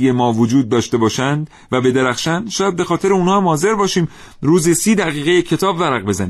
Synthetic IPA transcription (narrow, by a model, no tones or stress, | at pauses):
jemɒːvod͡ʒuːd̪̚ːɒːʃt̪e̞bɒːʃænd̪ | væbe̞d̪eɾæxʃænʃɒːjæd̪be̞xɒːt̪e̞ɾeunhɒːæmhɒːze̞ɾbɒːʃiːm | ɾuːzesiːd̪æɣiːɣejecʰe̞t̪ʰɒːbvæɾæɣbe̞zæniː